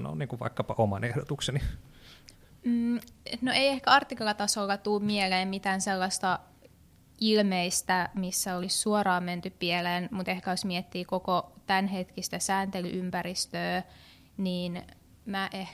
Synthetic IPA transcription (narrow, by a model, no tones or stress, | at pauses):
no̰niːŋkuʋʋɑ̰ikːɑpɑʔomɑ̰nehdot̪ukseni | m̩ːnoeiehkæɑrt̪ːiklɑt̪ɑsolːɑt̪uːmmieleːmmit̪æːnselːɑst̪ɑ | ilmeist̪æmisːæolissuorɑːmment̪yppieleːnmut̪ehkæjosmiet̪ːiːkokot̪ænɦet̪kist̪æsæːnt̪ely̰ʔympærist̪øː | niːn | mæʔeh